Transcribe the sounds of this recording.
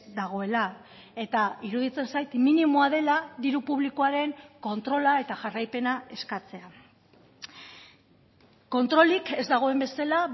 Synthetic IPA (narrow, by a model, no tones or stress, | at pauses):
d̪aɣ̞o̞e̞la | e̞t̪aiɾuðit͡se̞nsajt̪minimoaðe̞laðiɾupuβ̞likoaɾe̞ŋko̞nt̪ɾo̞lae̞t̪aʝarajpe̞nae̞skat͡se̞a | ko̞nt̪ɾo̞like̞zd̪aɣ̞o̞e̞mbe̞sala